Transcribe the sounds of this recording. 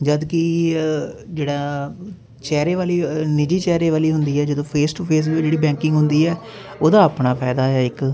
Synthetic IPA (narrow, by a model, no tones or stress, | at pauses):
d͡ʒəd̪kɪ | d͡ʒeːɽaː | t͡ʃɛːɾeːʋaːliːnɪd͡ʒiːt͡ʃɛːɾeːʋaːliːɦʊnd̪iːɛːd͡ʒɪd̪õːpʰeːsʈupʰeːs̬d͡ʒeːɽiːbɛ̃ːŋkɪ̃ŋɡɦʊnd̪iːɛː | oːd̪aːəpɳaːpʰɛːd̪aːɛːɪk